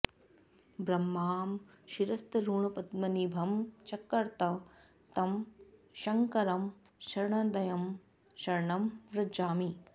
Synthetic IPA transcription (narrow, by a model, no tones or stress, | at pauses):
bɾɐmːaːm | ʃiɾɐst̪ɐɾuːɳɐpɐd̪mɐnibʱɐmt͡ʃɐkːɐɾt̪ɐ | t̪ɐmʃɐŋkɐɾɐm | ʃɐɾɳɐd̪ɐjɐm | ʃɐɾɳɐmʋɾɐd͡ʒaːmi